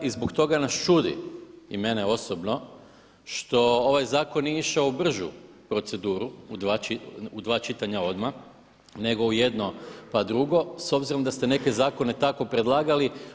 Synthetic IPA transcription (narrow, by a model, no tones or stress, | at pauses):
izbokt̪o̞ɡanast͡ʃud̪ḭime̞neo̞sobno̞ | ʃt̪o̞oʋajzaːko̞nːiiʃaoubr̩ʒṵpɾo̞t̪se̞d̪uːɾuud̪ʋat͡ʃiud̪ʋaːt͡ʃit̪aɲao̞d̪ma | ne̞ɡo̞uje̞d̪no̞pad̪ɾuɡo̞so̞bziɾo̞md̪ast̪ene̞ke̞zaːko̞ne̞t̪ako̞pɾe̞d̪lˠaːɡali